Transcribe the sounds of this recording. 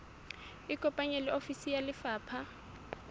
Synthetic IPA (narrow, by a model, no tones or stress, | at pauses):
ɪkʼɔpʼaɲɛlɪofisijalɪfaːpʰa